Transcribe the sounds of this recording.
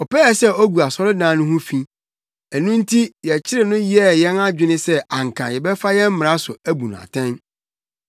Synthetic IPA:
ɔ˨pɛ˦ɛ˨sɛ˦o˦ɡu˨a˨sɔ˦ɾɪ˦dãː˨˦nʊ̃˦ɦũ˦fĩ˦ | æ˨nũ˦n̩˦tʰi˦jɛ˨t͡ɕʰɪ˦ɾɪ˨nʊ̃˦ji˦ɛ˦˨jɛ̃˦na˦d͡ʑᶣɪ˦nɪ̃˦sɛ˦ã˨ŋkʰã˨jɛ˨bɛ˦fa˦jɛ̃˦m̩˦m̃˨ɾa˦sʊ˨æ˦bu˨nʊ̃˨a̰˨tʰɛ̃˦n

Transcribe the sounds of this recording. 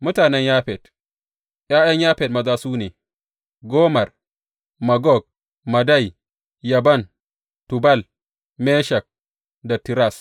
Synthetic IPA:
mʊ˦taː˨nɛ˦ɲjaː˦ɸɛ˨d̥ | j̰aː˦jɐ˦ɲjaː˦ɸɛ˨d̚mɐ˨zaː˦suː˦neː˨ | ɡoː˦mɐ˨r | mɐ˨ɡɔ˦˨ɡ̚ | mɐ˨da˦˨j | jɐ˨bɐ˦˨n | tu˨bɐ˦˨l | mɛː˦ʃɐ˨k̚ | da˨ti˨ɾa˦˨s

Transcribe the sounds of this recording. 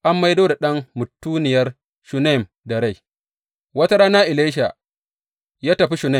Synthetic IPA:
ʔa˦mːa˦jdoː˦da˨ɗɐ˦ŋmʊ˨tːuː˦nɪ˨jɐ˦r | ʃʊ˨na˦˨m | dɐ˨ɽa˦˨j | wɐ˦ta˦ɾaː˦na˦ʔɪ˨le˦ʃ̬a˨ | jaː˦tɐ˨ɸi˦ʃʊ˨na˦˨

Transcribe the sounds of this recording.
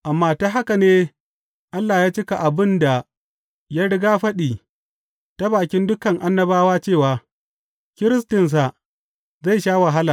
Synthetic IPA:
ʔa˨mːaː˦ta˦ɦa˦ka˨neː˦ | ʔa˦lːa˨jaː˦t͡ʃɪ˦ka˨ʔa˨bɪ˦nda˨ | ja˦ɽɪ˦ɡaː˦ɸɐ˦ɗiː˨ | ta˦baː˨kʲɪ˦ndʊ˦kɐ˨ŋʔa˦nːɐ˦baː˦waː˦t͡ʃeː˦˨waː˨ | kʲɪ˦ɾɪ˦stɪ˨ns̬a˨ | za˦˨jʃaː˦wa˨ɦa˦la˨

